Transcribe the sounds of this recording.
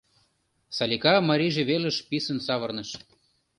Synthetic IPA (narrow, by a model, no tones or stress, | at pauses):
sɑlʲikɑmɑɾʲiʒĕβelə̆ʃpisə̆nsɑβɤ̆rnɤ̆ʃ